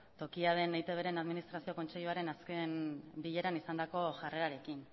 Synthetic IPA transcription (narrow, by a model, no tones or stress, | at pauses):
t̪o̞kiað̞e̞nejt̪e̞β̞e̞ɾe̞naðminist̪ɾasio̞ko̞nt͡seʎuaɾe̞naske̞nbiʎe̞ɾanisand̪ako̞ʝare̞ɾaɾe̞kin